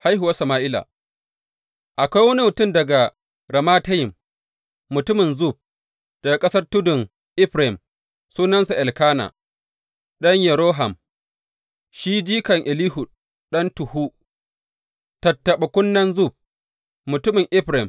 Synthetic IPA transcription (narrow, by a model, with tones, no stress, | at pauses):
ha˦jɦʊ˨wa˦sɐ˨maː˦˨ʔɪ˦la̰ː˨ | ʔa˨kʷa˦jwɐ˦ni˦mʊ˨tʊ˦˨mdɐ˨ɡa˨ | ɾɐ˨maː˦tɐ˦jɪ˨mː | ʊ˨tʊ˦mɪ˨nzu˦˨b̚ | d̥ɐ˨ɡa˨kʼɐ˦sɐ˦rtʊ˦dʊ˨ŋ | ʔɪ˦ɸɾa˨ɪ˨m | suː˦nɐ˦nsa˨ʔɛ˨lkaː˦na̰˨ | ɗɐ˦ɲjɛ˨ɾoː˦ɦa˨m | ʃiː˦d͡ʒiː˦kɐ˨ŋʔɪ˨liː˦ɦʊ˨ | ɗɐ˦ntʊ˨hu˦ | tɐ˨tːɐ˨ɓɐ˨kʷʊ˦nːɐ˦nzu˦˨b̚ | mʊ˨tʊ˦mɪ˨ŋʔɪ˦ɸɾa˨ɪ˨m